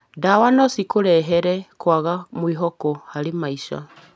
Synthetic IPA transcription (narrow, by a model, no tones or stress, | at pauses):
dawanɔsikoɾɛɦɛɾɛkwaɣamwiɦɔkɔhaɾemaiʃa̰